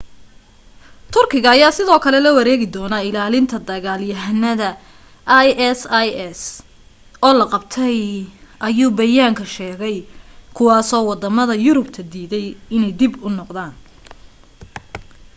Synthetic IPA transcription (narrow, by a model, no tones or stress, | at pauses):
t̪ʰʊrkʰɪɣɐːjaːsɪðɔːkʰɐlɛlɐwɐɾɛːɣɪd̪ɔːnɐɪlaːlɪnt̪ʰɐd̪ɐɣaːljɐɦnɐðɐ | ʔjɛsjɛs | ʔɔːlɐqɑb̚t̪ʰɛjɐjuːbɐjaːŋkʰɐʃɛːɣɛjkʰʊwɑːsɔːwɑd̪ɐmɐðɐjʊɾʊbt̪ʰɐd̪iːðɛjɪnɛjd̪ɪbʊnɔqd̪aːn